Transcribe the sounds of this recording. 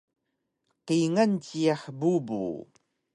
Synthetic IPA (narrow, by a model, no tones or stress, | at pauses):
qiŋantiaħbubṵ